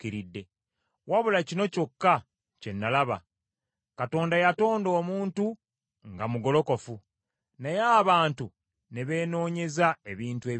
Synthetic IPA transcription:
kiɾidːe̞ | waβulacino̞co̞kːa | ce̞nːalaβa̰ | kato̞ːndajato̞ːndo̞ːmuːntu | ŋɡamuɡo̞lo̞ko̞fu | nejaːβaːntu | ne̞βe̞ːno̞ːɲe̞zae̞βiːntue̞ː

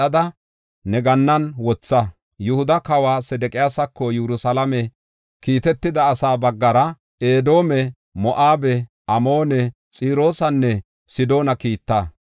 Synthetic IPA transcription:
ɐd̪ɐ | nɛɡɐnːɐnwɔt͡sːɐ | jʊhʊd̪ɐkɐwaːsɛd̪ɛkʼɪjaːsɐkːɔjɛɾʊsɐlɐmɛ | kiːt̪ɛt̪ːɪd̪ɐːsaːbɐɡːɐɾɐ | eːd̪o̞ːmɛ | mɔʔaːbɛ | ʔɐmoːnɛ | t͡sʼiːɾo̞ːsɐnːɛ | sɪd̪o̞ːnɐkiːt̪ːaː

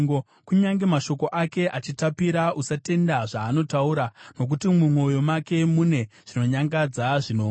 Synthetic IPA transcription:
o | kuɲaŋɡe̞maʃo̞ko̞ʔake̞ʔat͡ʃitapiɾausate̞ndaʐaːno̞tauɾano̞k̬utimumwo̞jo̞make̞mune̞ʐ̥ino̞ɲaŋɡad͡zaʐino

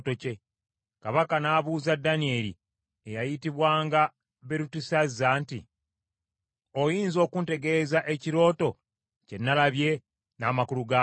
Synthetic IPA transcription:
toce̞ | kaβakanaːβuːzadːanie̞lḭ | ejajitiβwaːŋɡa | βe̞ɾutusazːaːntḭ | o̞jiːnzo̞ːkunte̞ɡe̞zaʔe̞ciɾo̞ːto̞ | ce̞nːalaβje̞ | naːmakuluɡa

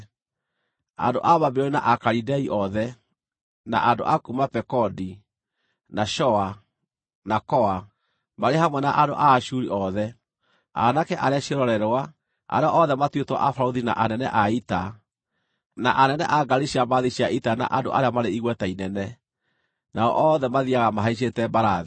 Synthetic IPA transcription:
a̰ndo̰ʔaβabeɔɾena̰ʔakaɾidɛiʔɔðɛ | na̰ʔando̰ʔakumapɛkɔdi | naʃɔa | nakɔa | maɾehamwɛnaʔado̰ʔaʃuɾiʔɔðɛ | a̰nakɛʔaɾeaɕiɾɔɾɛɾwa | a̰ɾeɔʔɔðɛmatwetwa̰ʔafaɾoðina̰ʔanɛnɛʔaita | naʔanɛnɛʔaɡaɾiʃiamaðiɕiaitana̰ʔando̰ʔa̰ɾeamaɾeiɣwɛtainɛnɛ | naɔ̰ʔɔðɛmaðiaɣamaɦaiɕ̬etɛbaɾaði

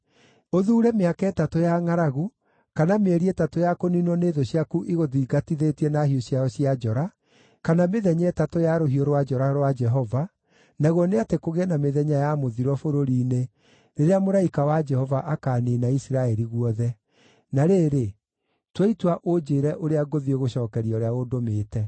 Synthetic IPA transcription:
oðuːɾɛmeakɛːtatojaŋaɾaɣu | kanameɛɾiɛtatojakoninwɔneːðoɕiakuʔiɣoðiiɡatiðetiɛnaɦioɕjaɔɕiad͡ʒɔɾa | kanameðɛɲɛtatojaɾoɦioɾwad͡ʒɔɾaɾwad͡ʒɛɦɔva | naɣwɔneatekoɣɛnameðɛɲajamoðiɾɔfoɾoɾiːne | neɾeamoɾaikawad͡ʒɛhɔvaʔakaːnenaisiɾaɛɾiɣuɔðɛ | naɾeːɾe | tweitwaʔod͡ʒeːɾɛʔoɾeaɡoðieɣoɕɔːkɛɾiɔɾeaɣodomeːtɛ

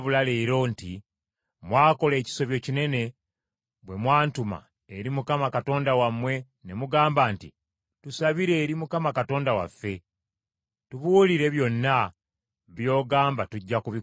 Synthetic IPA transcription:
βulaleːɾo̞nti | mwaːko̞le̞ːci̥so̞βjo̞cine̞ne̞ | βwe̞mwaːntuma̰ | eɾimukamakato̞ːndawamwe̞ | ne̞muɡaːmbaːntḭ | tusaβiɾe̞ːɾimukamakato̞ːndawa̰fːe̞ | tuβuːliɾe̞βjo̞nːa | βjo̞ːɡaːmbatuɟːakuβi

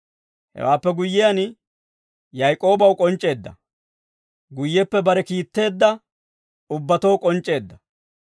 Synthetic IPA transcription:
hɛ̰waːpːɛɡʊjːɪjɐn | jɐjkʼo̞ːbɐwkʼɔnt͡ʃʼːe̞ːd̪ːɐ | ɡʊjːɛpːɛbɐɾɛkiːt̪ːe̞ːd̪ːɐ | ʊbːɐt̪owkʼɔnt͡ʃʼːe̞ːd̪ːɐ

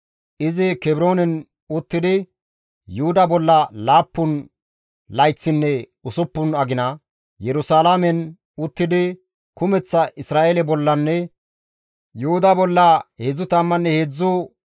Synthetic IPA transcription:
ʔɪzɪkɛbɪɾo̞ːnɛn | ʊt̪ːɪd̪ɪ | jʊhʊd̪ɐbɔlːɐlaːpːʊn | lɐjt͡sːɪnːɛ | ʊsʊpːʊnɐɡɪnɐ | jɛɾʊsaːlamɛn | ʊt̪ːɪd̪ɪ | kʊmɛt͡sːɐʔɪsɾaːʔelɛbɔlːɐnːɛ | jʊhʊd̪ɐbɔlːɐhed͡zːʊt̪ɐmːɐnːɛheːd͡zːʊ

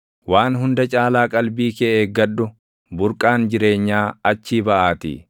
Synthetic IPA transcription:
waːnɦʊnd̪ɐt͡ʃʼaːlaːkʼɐlbiːkɛeːɡɐɗːʊ | bʊɾkʼaːnd͡ʒɪɾe̞ːɲːaːɐt͡ʃːiːbɐʔaːt̪ɪ̰

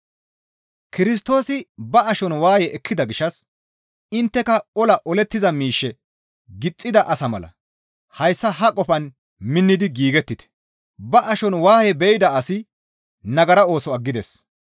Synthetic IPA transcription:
kɪɾɪs̬t̪o̞ːsɪbɐɐʃɔnwaːhɛʔɛkʰːɪd̪ɐɡɪʃɐs | ɪnt̪ːɛkɐɔlɐʔɔlɛt̪ːɪzɐmiːʃːɛ | ɡɪt͡sʼːɪd̪ɐʔɐsɐmɐlɐ̰ | hɐjsːɐɦɐkʼɔpɐn | mɪnːɪd̪ɪɡiːɡɛt̪ːɪt̪ɛ̥ | bɐʔɐʃɔnwaːhɛbɛɪd̪ɐɐsɪ | nɐɡɐɾɐo̞ːsɔɐɡːɪd̪ɛs

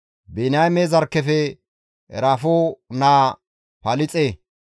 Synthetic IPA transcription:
benɐjmezɐɾkːɛfɛ | ɛ̰ɾafoːnaː | pɐlɪt͡sʼeː

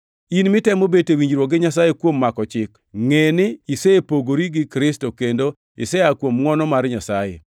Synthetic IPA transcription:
inmɪtɛmobetewiɲd͡ʒɾwoɡɪɲas̬ajekwomːakɔt͡ʃɪk | ŋenɪisepoɡoɾiɡɪkɾɪstokendo | ɪ̰sɛakwomŋɔnɔmaɾɲasajḛ

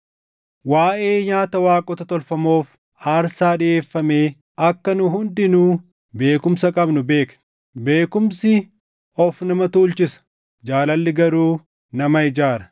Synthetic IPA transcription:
waːʔe̞ːɲaːt̪ɐwaːkʼɔt̪ɐt̪ɔlfɐmo̞ːf | aːɾsaːᶑɪʔeːfːɐmeː | ɐkːɐnʊɦʊnd̪ɪnuː | be̞ːkʊmsɐkʼɐbnʊbe̞ːkɐ̥ | be̞ːkʊmsɪ | ɔfnɐmɐt̪uːlt͡ʃɪsɐ̥ | d͡ʒaːlɐlːɪɡɐɾuː | nɐmɐɪd͡ʒaːɾɐ

